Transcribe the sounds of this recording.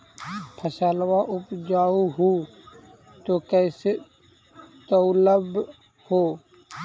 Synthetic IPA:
pʰəsaːlwaʔʊpd͡ʒaːuɦu | t̪okɛːse | t̪əʊləb | hoː

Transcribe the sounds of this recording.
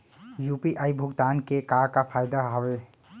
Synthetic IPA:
jupiʔajbʱʊɡt̪aːnkekaɾkapʰajd̪aɦɔwe

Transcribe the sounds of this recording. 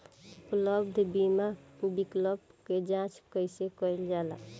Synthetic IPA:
ukləbd̪ʱbimakubikləbked͡ʒãt͡ʃkəjsekəjld͡ʒala̰

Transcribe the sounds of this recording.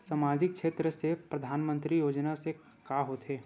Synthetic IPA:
səmaːd̪ʱɪk̚ʃʰeːt̪ɾəsepɾɐd̪ʱaːnmə̃nt̪ɾijoːd͡ʒnase | kaːɦot̪ɦeː

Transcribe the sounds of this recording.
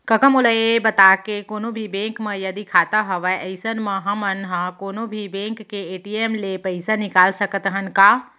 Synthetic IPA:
kɐkəmoləebɐt̪aːkekoːnõbʱibẽːŋkmẽjɐd̪ikʰaːt̪aɦɐʋəɐɪsənmɐ̃ɦɐmənɦãkoːnõbʱibẽːŋkːeeːʈieːmlepɐɪsanɪkaːlsɐkət̪ɦənkaː

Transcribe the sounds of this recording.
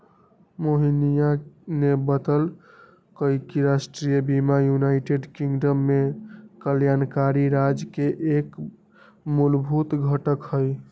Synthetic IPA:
moɦinijanebət̪əl | kəikiɾasʈɾijəbimajunaɪʈeɖkiŋɡɖəmːekəljankaɾiɾad͡ʒkeʔek | mulbʱut̪ɡʱəʈəkhəj

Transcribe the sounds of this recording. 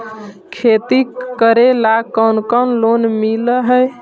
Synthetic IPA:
kʰet̪ikəɾelakəwnkənlonmiləɦəj

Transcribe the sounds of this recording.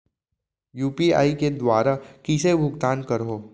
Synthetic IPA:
juːpia̰ːiked̪waːɾakisebʱʊɡt̪aːnkɐɾɦoː

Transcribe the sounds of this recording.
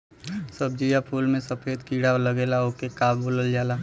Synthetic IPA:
səb̚d͡ʒijapʰuːlmẽsəpʰeːd̪kiːɽaləɡeːlaokekaːbboːləld͡ʒaːlaː

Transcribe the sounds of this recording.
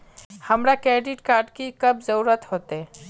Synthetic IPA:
həmɾakɾeɖiʈkaɾɖkikəbʱzəɾuɾət̪hot̪e

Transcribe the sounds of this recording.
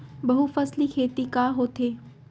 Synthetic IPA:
bɐɦufɐslikʰeːt̪ikaːɦoːt̪ʰeː

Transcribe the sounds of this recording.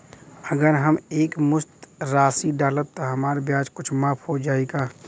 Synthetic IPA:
əɡəɾɦəmeːkmʊst̪ɾaːsiɖaːlət̪ːɔɦɐmaːɾbjaːd͡ʒkʊt͡ʃʰmaːpʰɦod͡ʒaːeɡaː

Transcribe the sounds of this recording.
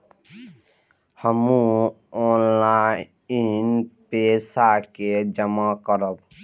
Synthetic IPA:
hɔmu | ɔnla | inpesaked͡ʒɔmakɔɾɔb

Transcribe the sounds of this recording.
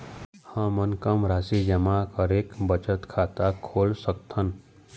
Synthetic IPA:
hə̃mənkəmɾaːsid͡ʒəmakəɾeːkbət͡ʃət̪kʰaːt̪akʰoːlsək̚t̪ən

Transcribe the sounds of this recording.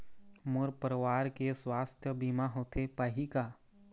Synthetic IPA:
mʊɾpəɾʋaːɾkeswaːst̪ʰjəbimaɦoːt̪epaɦikaː

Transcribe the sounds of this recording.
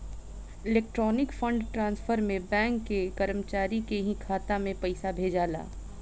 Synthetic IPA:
ɪleːk̚ʈɾɔːnɪkfə̃ɳɖʈɾãːnsfʰəɾmẽbɛ̃ːŋkːekɐɾəmt͡ʃaːɾikeɦĩkʰaːt̪amẽpɐɪsabʱeːd͡ʒaːla̰ː

